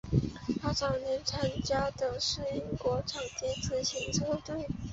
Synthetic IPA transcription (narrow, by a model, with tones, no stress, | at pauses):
a˥ʈ͡ʂɑ˨˩ʊnjɛ˧˥nt͡sʰa˥nt͡ɕja˥d̪ə˨ʂɻ̩˥˩i˥ŋkwɔ˧˥ʈ͡ʂʰɑ˨˩ŋt̪ɛ˧˥t͡sʰɹ̩˧˥ɕi˧˥ŋt͡sʰo˥ʊt̪we˥˩ɪ